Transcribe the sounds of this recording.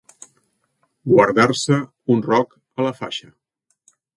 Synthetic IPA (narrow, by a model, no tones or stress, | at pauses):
ɡwəɾðarsə | unrɔk | ələfa̰ʃə